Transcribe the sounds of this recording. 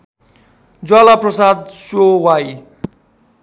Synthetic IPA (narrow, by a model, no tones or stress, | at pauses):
d͡zalaprʌsad̪̚sowaj